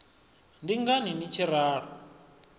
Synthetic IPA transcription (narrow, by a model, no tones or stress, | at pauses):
ndiŋɡaninit͡ʃʰiɾaːr̤ɔ